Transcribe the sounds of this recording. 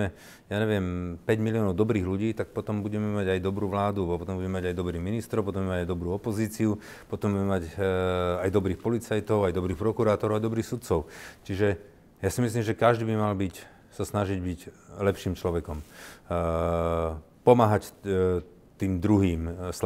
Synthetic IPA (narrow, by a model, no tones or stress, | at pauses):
ɛ | jaːɲɛʋɪɛmpɛɟmiliɔːnɔʊd̪ɔbɾiːɣluɟiːt̪ak̚pɔt̪ɔmbuɟɛmɛmaɟajd̪ɔbɾuːʋlaːd̪upɔt̪ɔmbuɟɛmɛmaɟajd̪ɔbɾiːminist̪ɾɔpɔt̪ɔmɛmaɟajd̪ɔbɾuːɔpɔziːt͡siu | pɔt̪ɔmbuɛmɛmaɟ | ajd̪ɔbɾiːxpɔlit͡sajt̪ɔʊajd̪ɔbɾiːxpɾɔkuɾaːt̪ɔɾɔʊajd̪ɔbɾiːxsut̪t͡sɔʊt͡ʃiʒɛ | jasimis̬limʒɛkaʒd̪iːbimalbic | sasnaʒiɟbiclɛpʃiːmt͡ʃlɔʋɛkɔm | pɔmaːɦac | t̪iːmd̪ɾuɦiːms